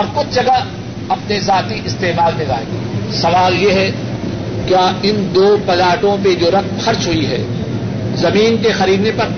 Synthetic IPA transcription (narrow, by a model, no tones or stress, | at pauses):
ɔːɾkʊt͡ʃʰd͡ʒɐɡa | ɐpnezaːt̪iʔɪst̪eːmaːlmẽza̰ːḛ̃ːɡiːsɐʋaːljeɦɛ | kjaːɪnd̪oːpɐlaːʈõped͡ʒoːɾɐk̚mxɐɾt͡ʃɦʊiɦɛ̰ː | zɐmiːnkexɐɾiːd̪nepɐɾ